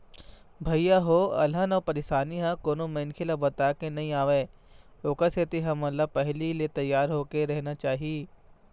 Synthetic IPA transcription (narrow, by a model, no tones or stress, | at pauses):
bʱɐijaɦoɐ̰lanɐpɐɾeːʃaːniɦãkoːnomɐnkʰelabɐt̪aːkenɐĩaːʋeoːkaset̪iɦɐmɐlapɐɦlilet̪ɐjːaːɾɦoːkeɾɐɦnat͡ʃaːɦieː